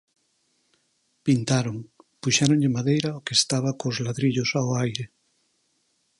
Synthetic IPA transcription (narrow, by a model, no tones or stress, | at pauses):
pint̪aɾoŋpuʃaɾõŋʎɪmaðejɾaokest̪aβ̞akozlaðɾiʎosaoajɾe